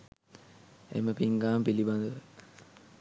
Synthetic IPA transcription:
ḛməpiŋɡaːmpiliband̪əʋə

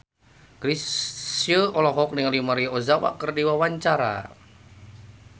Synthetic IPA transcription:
ɡɾisjəɔlɔɦɔk̚nɪŋlimaɾiozawa̰ʔkərdiwawaɲt͡ʃaɾa̰

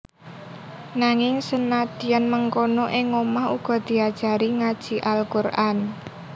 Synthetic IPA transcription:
naŋɪŋsənad̪̥ijanməŋkonoʔɪŋomaɦuɡ̥ɔ̤d̪̥i̤ad̥ʒ̥a̤ɾiŋad̥ʒ̥i̤ʔalkurʔan

